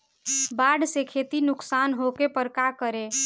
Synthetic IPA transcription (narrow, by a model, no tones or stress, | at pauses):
baɖsekʰet̪inʊksanɦokepəɾkakəɾe